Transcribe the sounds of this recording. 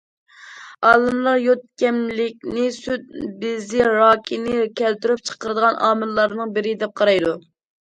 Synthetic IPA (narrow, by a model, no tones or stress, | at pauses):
ɑlˠɨnlˠɑɾjot̪̚kʲɛmlɪkʲnɪsyd̪̚bɪzɪɾɑːkʲʰinɪkʲʰɛlt̪yɾyp̚t͡ʃʰə̥qəɾɨd̪əʁɑnʔɑ̰ːmɨlːˠɑɾnɨŋbɪɾɪd̪ɛp̚qʰɑɾɑjd̪u